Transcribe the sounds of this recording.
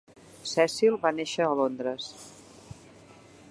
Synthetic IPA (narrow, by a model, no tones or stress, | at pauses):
sɛsilˠβaneʃəːlond̪ɾəs